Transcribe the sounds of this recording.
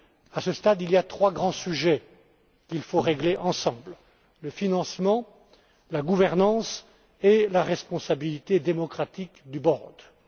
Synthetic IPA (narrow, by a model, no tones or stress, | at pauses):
asəst̪ad̪iliat̪χwaɡʁɑ̃syʒɛ | kʲilfoʁeɡleʔɑ̃sɑ̃bl | ləfinɑ̃smɑ̃ | laɡuvɛʁnɑ̃s | elaʁɛspɔ̃sabilit̪ed̪emɔkχat̪ikd̪ybɔʁd̪